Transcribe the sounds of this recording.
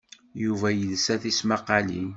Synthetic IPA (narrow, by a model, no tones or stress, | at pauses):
juvæjəðsæθismaqɑli